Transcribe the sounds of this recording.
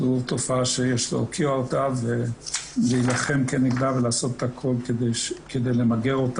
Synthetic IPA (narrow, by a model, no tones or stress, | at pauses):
uvt̪ofaʃejeʃlo̰kʰiaotaveveilaχemkeniɡd̪avelaːso̞t̪e̥t̪akʰolkedeked̪ejlemaɡeʁot̪a